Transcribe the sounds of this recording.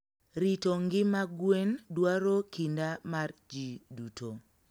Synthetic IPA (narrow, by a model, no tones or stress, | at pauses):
ɾitoŋɡɪmaɡwendwaɾokʰindamard͡ʒidutʰo